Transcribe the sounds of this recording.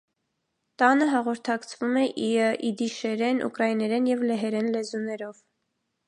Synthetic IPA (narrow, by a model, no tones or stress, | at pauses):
t̪ɑnəɦɑʁɔɾt̪ʰɑkt͡sʰvumɛʔiəʔid̪iʃɛɾɛnʔṵkɾɑinɛɾɛnjɛvlɛɦɛɾɛnlɛzunɛɾɔv̥